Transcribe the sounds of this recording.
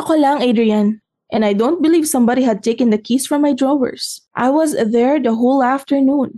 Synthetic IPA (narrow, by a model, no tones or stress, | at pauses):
ɐkolaŋed̪ɹiãn | ʔɛ̃najd̪õʊ̃nt̪̚bɪliːvsɐ̃mbad̪iɦɐd̪̚t̪ejkɛ̃nd̪ɐkʰisfɹɔ̃mːajd̪ɹɔwɛ̰ɹsʔa̰jwɔsðɛɹd̪ɐɦolaft̪ɛɹnũn